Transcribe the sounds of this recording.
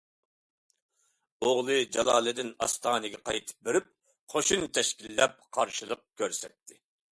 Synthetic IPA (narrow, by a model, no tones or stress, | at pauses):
oʁlˠɨd͡ʒɑlˠɑːlˠɨd̪ɪnɑ̰st̪ɑːnɨɡʲɛqɑjt̪ʰɨ̥p̚beɾɪp̚ | qʰoʃunt̪ʰɛʃkʲilːɛp̚qʰɑɾʃilˠəq̚kʲʰøɾsɛk̚ʲt̪ʰɪ